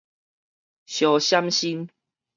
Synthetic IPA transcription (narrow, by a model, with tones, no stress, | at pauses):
ɕjɔ˨˩ɕja˦mɕi˦n